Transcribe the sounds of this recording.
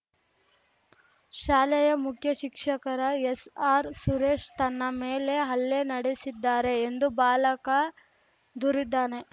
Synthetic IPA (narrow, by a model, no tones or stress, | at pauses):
ʃaːlɐjɐmukʰjɐʃikʂɐkɐɾɐesaːɾsuɾeːʂt̪ɐnːɐmeːle̞ɦɐlːenɐɽesid̪ːaːɾe̞ːnd̪ubaːlɐkɐ | d̪uɾid̪ːaːne̞